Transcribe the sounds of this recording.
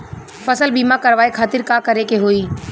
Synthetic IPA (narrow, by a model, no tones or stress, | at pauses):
fəsəlbiːmakəɾʋaːekʰaːt̪ɪɾkaːkəɾekeɦoːiː